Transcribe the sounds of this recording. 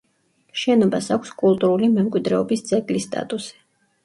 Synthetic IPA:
ʃɛnɔbasakʷʰskʼulˠt̪ʼuɾulimɛmkʼwid̪ɾɛɔbisd̪sʼɛkʼlist̪ʼa̰t̪ʼusi̥

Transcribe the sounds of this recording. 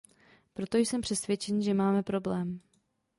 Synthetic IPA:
pɾo̞t̪o̞jsɛmpr̝̥ɛsvjɛt͡ʃɛniʒɛmaːmɛpɾo̞blɛːm

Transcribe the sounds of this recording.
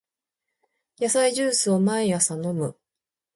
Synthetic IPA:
jasaiʑɨːsɨo̞maejasano̞mɯ̟

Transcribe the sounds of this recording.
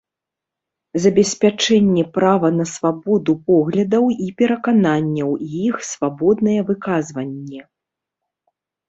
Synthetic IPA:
zɐbʲɛsʲpʲat͡ʂɛnʲːɛpɾavɐnɐsvabɔd̪upɔɣlʲɐd̪ɐwipʲɛɾɐkananʲːɐwjixsvabɔd̪nɐjɛvɨkazvɐnʲːɛ

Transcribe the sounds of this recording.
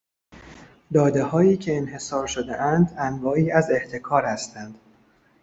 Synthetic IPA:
d̪ɒːd̪e̞hɒːiːcʰe̞ːnhe̞sɒːɾʃod̪eʔænd̪ænɡɒːʔiːæze̞ht̪ʰe̞kʰɒːɾhæst̪ænd̪̥

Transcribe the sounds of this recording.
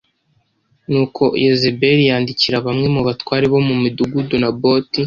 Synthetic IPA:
nuːkʰo̞jezibe̞ɾijaːndiciɾaβamŋe̞muβatwaːɾiβo̞mumiduɡudunabo̞ːti

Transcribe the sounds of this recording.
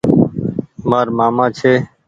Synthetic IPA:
maːɾmaːmãːt͡ʃʰeː

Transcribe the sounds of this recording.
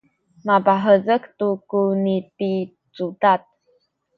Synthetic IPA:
mabaɦəzəkt̪ukuniti | t͡sutat̪̚

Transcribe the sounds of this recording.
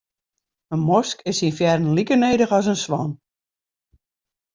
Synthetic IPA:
ənmɔskɪsinfjɛrn̩likəneːdəxɔs̬ənsʋɔn

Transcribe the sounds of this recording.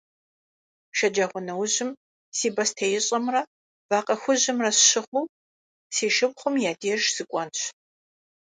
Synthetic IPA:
ʃɐd͡ʒaʁʷʊnɐwʑɪm | siːbɐstʰejɪɕʼɐmrɐ | vaːqʼɐxʷʊʑɪmrɐsɕɪʁʷuː | siːʃɨbχʷʊmjaːdiɛʒz̥ɨkʷʼɔnɕ

